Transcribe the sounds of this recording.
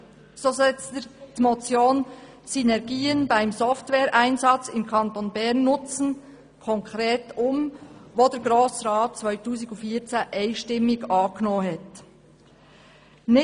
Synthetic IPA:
soːzɛt͡sttmot͡sjoːn | synɛɾɡiːənbaɪmzɔftwɛːɾʔæɪnzɑt͡sɪnkʰɑnt̪ɔnbɛʁnːʊt͡sn̩ | kʰɔŋkɾeːtʊmvoːdɛɾɡɾoːsɾɑːt̚t͡svœʏtuːzɪɡʊnfiːt͡sɛʔaɪʃtɪmːɪɡɑːknoːɦɛt | nɪ

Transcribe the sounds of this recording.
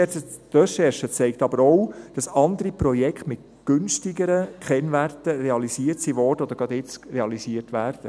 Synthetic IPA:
ɛt͡sə | t̪œʃɛɾʃət͡sɛɪktɑbəɾɔwd̥ɑsɑnd̪əɾipɾɔjɛkχtmɪt | ɡ̥ʏnʃtiɡəɾəkχɛnværtəɾeɑlisiːəɾtsiʋɔrd̥əod̥̪əɾɡ̥ɑdɪt͡sɾeɑlisiːərtʋæːɾd̥ə

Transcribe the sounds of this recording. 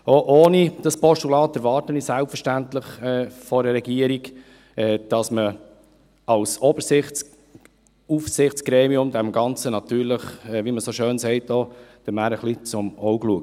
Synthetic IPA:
oʔoːnid̥ɑspɔʃtulɑːtːɛɾvɑːɾtənisælpfəɾʃtæntləχɛːfɔɾəɾɛɡiəɾiɡ | ɛːd̥ɑsmə | ɑlsɔbəɾsɪχ | ufsɪχt͡sɡ̥ɾeːmiʊmd̪ɛmɡɑnt͡sənɑtyːɾləχɛːviməsoʃøːnsɛɪt̚dod̥əmæːɾəχlit͡sʊmɔʊɡluək̚

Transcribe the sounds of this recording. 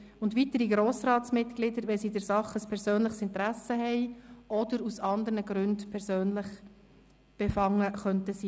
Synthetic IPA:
ʊndʋit̪əɾiɡɾoːsɾɑːtsmɪt̪klɪdəɾʋɛlsidɛɾsɑχəspʰɛɾzøːnləχsɪnt̪əɾæsəɦɛɪʔɔd̪əɾusɑnd̪əɾnəɡɾʉndpʰɛɾsøːnləχ | b̥efɑŋːəχœntəsiː

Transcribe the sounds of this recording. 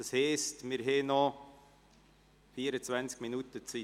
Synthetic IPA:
əshɛstmɪɾɦeːnɔ | fiːəɾət͡svɛnt͡skminutət͡si

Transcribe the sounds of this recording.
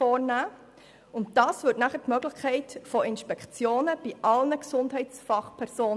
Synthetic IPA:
ɔːɾnæː | ʊnt̚d̥ɑːsvʏtnæχətmœɡlɪχkʰɛɪtfoɪnʃpɛkt͡sjoːnəb̥iʔɑlnəksʊndɦɛɪtfɑχpʰɛɾsoːn

